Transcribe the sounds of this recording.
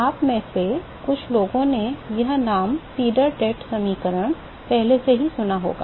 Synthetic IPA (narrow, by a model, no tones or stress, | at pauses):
aːpmẽse | kʊt͡ʃʰloːɡõnejɐɦnaːmsiːɖəɾʈɛːʈsɐmiːkəɾəɽ̃ | pɛɦleseɦisʊnaɦo̰ːɡa̰ː